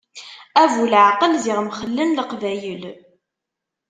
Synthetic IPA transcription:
ævulʕaqəlziʁmχəlːənləqvæjəl

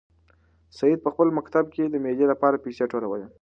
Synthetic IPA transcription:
sajid̪̚pəxpəlmakt̪ab̚ked̪əmed̪elapɑɾapiseʈolawəle

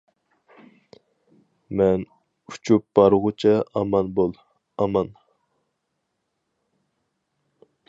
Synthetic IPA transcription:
mɛn | u̥t͡ʃʰup̚b̥ɑɾʁʊt͡ʃʰɛɑmɑnbolˠ | ɑmɑn

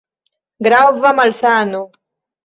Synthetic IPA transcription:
ɡɾavamalsaːno

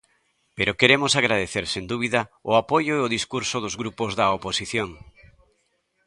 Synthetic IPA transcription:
peɾokeɾemosaɣɾaðeθeɾsend̪uβ̞iðɐʊapojʊeoðiskuɾsʊðʊzɣɾupozðɐoposiθjoŋ

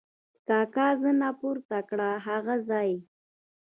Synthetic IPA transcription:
kɑkazənapʊɾt̪akɽaɦaɣazɑj

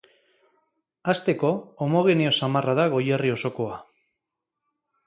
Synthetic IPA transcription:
ast̪e̞ko̞ːmo̞ɣ̞eneo̞samaraðaɣo̞jerio̞so̞ko̞a

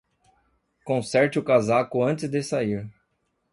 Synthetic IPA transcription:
kõsɛɾt͡ʃɪʊkazakʊɐ̃t̪ɪzd̪esaiɾ

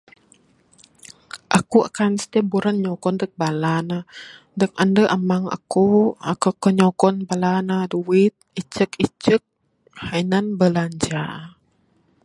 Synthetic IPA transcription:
ʔakua̰kansə̥t̪iabuɾanɲɔkɔndək̚balana | dəŋandəʔamaŋa̰kuakəkəɲɔkɔnbalanaduwit̪̚it͡ʃəkit͡ʃək̚ | hainanbəlaɲd͡ʒa

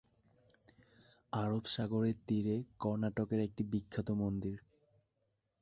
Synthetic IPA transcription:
aɾobʃaɡoɾeɾt̪iɾekɔɾnaʈokeɾek̚ʈibikʰːat̪omond̪iɾ

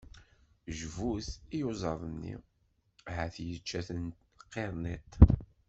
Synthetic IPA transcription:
ʒvuθijuzˤɑðˤənːḭ | ʕæθjət͡ʃːæθənt | qːeɾˤnit̪

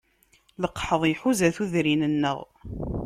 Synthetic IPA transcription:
ləqːħəðˤjħuzæθuðɾinənːə̰ʁ

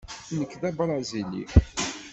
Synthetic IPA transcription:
nəkːðæbɾˤɑzilḭ

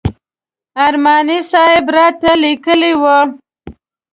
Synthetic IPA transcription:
aɾmɑnisɑhɪbɾɑt̪alikəliwə

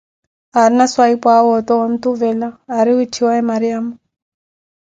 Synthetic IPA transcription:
aɾinaswaipawɔt̪ɔɔn̩t̪uvɛlaːɾiwit͡ʃʰiwaɛmaɾiama

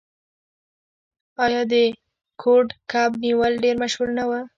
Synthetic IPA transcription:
ɑjɑd̪ə | kʰoɖkabniwəlɖeɾmaʃhulnawə

